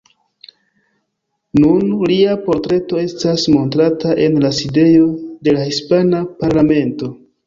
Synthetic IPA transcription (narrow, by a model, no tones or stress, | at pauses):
nunliapo̞ɾtɾe̞to̞e̞stasmo̞ntɾataʔe̞nlaside̞jo̞de̞lahispanapaɾlame̞nto̞